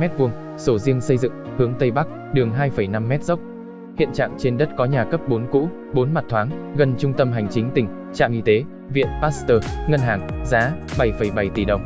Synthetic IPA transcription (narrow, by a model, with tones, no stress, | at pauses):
mɛ˦˥t̚vu˧˩əŋ | so˧˩zi˧əŋsə˧jzɨ̰˧˨ŋhɨ˨˦əŋt̪ə˧jɓa˦˥k̚ | ɗɨ˨˩əŋɦaː˧jfə˧˩jna˧mːɛ˦˥t̚zə˦˥wk͡p̚ | hḭ˧˨ənt͡ɕa̰ː˧˨ŋt͡ɕe˧nɗə˦˥t̚kɔ˨˦ɲaː˨˩kə˦˥p̚ɓo˨˦nkṵ˧˥ | ɓo˨˦nma˨˩t̚t̪ʰwaː˨˦ŋɣə˧nt͡ɕʊ˧ŋ͡mt̪ə˧mɦa˨˩jŋ̟t͡ɕï˨˦ŋ̟t̪ï˧˩ŋ̟ | t͡ɕa̰ː˧˨ʔi˧t̪e˨˦ | vḭ˧˨ənpaː˦˥tst̪əː˧˩ŋə˧nɦaː˨˩ŋzaː˨˦ɓa˧˩jfə˧˩jɓa˧˩jt̪i˧˩ɗə˨˩wŋ͡m